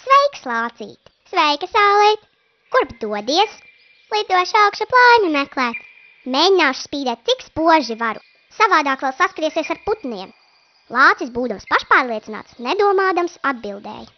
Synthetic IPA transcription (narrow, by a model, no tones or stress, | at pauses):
svɛjkslˠɑːt̪sḭːt̪ | svɛjkasaːlˠɛjt̪ | kuɾbd̪uɔd̪iɛs | lˠid̪uɔʃawkʃaplˠaːjɲumɛklˠæːt̪ | meːɲinaːʃspiːd̪ɛːt̪̚t̪sikspuɔʒivaɾṵ | savaːd̪aːkʋɛlˠsaskɾiɛsiɛsaɾput̪niɛm | lˠɑːt̪sisbuːd̪amspaʃpaːɾlˠiɛina̰ːt̪sned̪uɔmaːd̪amsad̪̚bilˠd̪ɛ̰ːj